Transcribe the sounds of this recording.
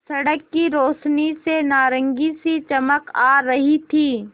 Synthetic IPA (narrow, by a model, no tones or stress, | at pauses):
sɐɽəkːiɾoːʃnisenaːɾə̃ŋɡisit͡ʃɐməkaːɾɐɦit̪ʰiː